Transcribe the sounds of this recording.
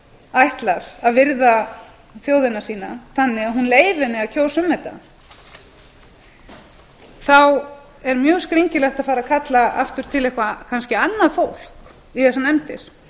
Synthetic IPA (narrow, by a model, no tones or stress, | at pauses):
ajht̪laɾ̥aðvɪɾða | θjoːwðɪnasiːnaθanːɪɣaðɦunleːjvɪnɪaðcʰoːwsʏmhɛht̪ːa̰ | θaw | ɛɾmjœːɣskɾiɲcɪlɛht̪aðfaːɾaðkʰat̪laʔa̰ft̪ʏɾ̥t̪ʰɪlɛhkvakʰanscɪanːaðfowl̥k | iθɛsanɛmt̪ɪ̰ɾ̥